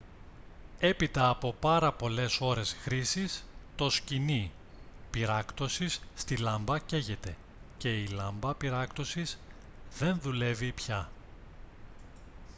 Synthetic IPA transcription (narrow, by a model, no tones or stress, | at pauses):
e̞pit̪ɐːpo̞pɐɾɐpo̞le̞so̞ɾe̞sxɾisist̪o̞scini | piɾɐkt̪o̞sisːt̪ilɐmbɐce̞ʝe̞t̪e̞ | ce̞ilɐmbɐpiɾɐkt̪o̞sis | ðe̞nðule̞vipçɐ